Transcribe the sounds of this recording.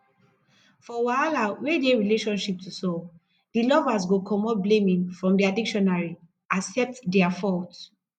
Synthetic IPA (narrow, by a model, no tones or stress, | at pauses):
fɔwaalawedeɹileʃɔ̃nʃip̚tʰusɔ | dilɔvas̬ɡokʰɔmɔt̚blẽmĩnfɹɔ̃mdiadikʃɔnaɹi | asɛp̚tdɛafɔlt